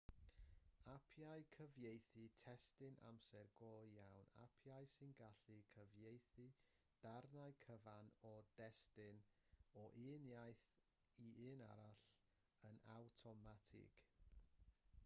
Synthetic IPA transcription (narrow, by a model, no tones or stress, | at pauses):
apʰjaɨkʰəvjejθɨtʰɛstɨnʔa̰msɛrɡoːjawna̰pʰjaɨsɨnɡaɬikʰəvjejθi | d̥arnaɨkʰəvanɔdɛstɪnɔʔɨːnjajθ | iɨːna̰ɾaɬ | ənawtʰɔmatʰɪ̰ɡ̥